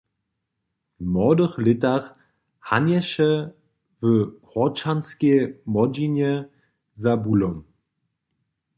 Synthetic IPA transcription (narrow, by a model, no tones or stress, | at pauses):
vmɔːdəχlɪtaχ | hanjɛʃə | vəhɔt͡ʃanskemɔd͡ʒinjə | zabulɔm